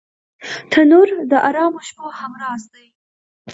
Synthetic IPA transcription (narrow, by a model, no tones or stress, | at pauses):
t̪ʰanuɾd̪əʔaɾɑmoʃpohamɾɑzd̪aj